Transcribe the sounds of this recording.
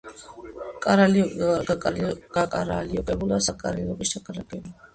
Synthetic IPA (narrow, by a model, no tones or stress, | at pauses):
kʼaɾaliakʼalɡ̥akʼaɾa̰liɔkʼɛbulasakʼa̰ɾaliɔkʼiʃt̪ʰakʼaɾakʼɛbu